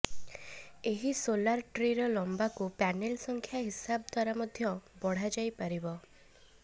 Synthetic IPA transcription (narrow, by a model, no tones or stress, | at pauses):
eɦisolaɾʈɾiɾɔlɔmbakupanelsɔŋkʰjaɦisabɔd̪ʱwaɾamɔd̪ʱjɔbɔɽ̤ad͡ʒajpaɾibɔ